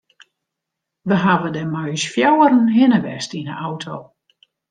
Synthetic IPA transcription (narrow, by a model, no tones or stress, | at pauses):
ʋəɦaʋədəmœɥsfjawəɾən̩ɦɪnəʋɛstinə̰ʔawtʰoː